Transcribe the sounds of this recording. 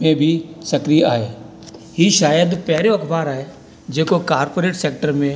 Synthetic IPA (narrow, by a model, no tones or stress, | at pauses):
mẽbʱisɐkɾia̰ːɦḛː | ɦiʃaːjəd̪pɛɦɾoɐkʰbaːɾaːɦe | d͡ʒeːkokaːɾpoːɾeːʈseːk̚ʈəɾmẽ